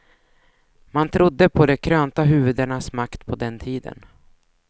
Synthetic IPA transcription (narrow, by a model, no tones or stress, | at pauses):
mant̪ʰɾʊd̪ːəpʰɔd̪ɛkʰɾøːnt̪aɦʉ̟ːvɵd̪əɳasmakt̪pʰɔd̪ɛnt̪ʰiːd̪ə̰n